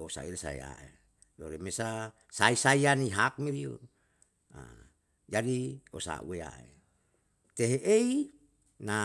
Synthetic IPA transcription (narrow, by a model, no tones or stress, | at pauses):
osa̰ilsa̰ḛa̰e | doɾemesa | saisaianiɦak̚miɾiu | a̰ | d͡ʒadiosa̰ṵea̰ḛ | t̪eɦeʔei | na